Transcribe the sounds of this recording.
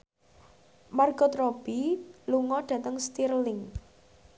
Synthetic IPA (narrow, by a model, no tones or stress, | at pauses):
marɡ̥ɔt̪rɔb̥iluŋɔɖ̥ä̤t̪əŋst̪irlɪŋ